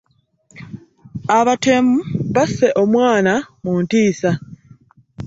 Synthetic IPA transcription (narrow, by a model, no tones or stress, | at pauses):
aβatemuβase̞ʔo̞mwaːnamuːntiːsa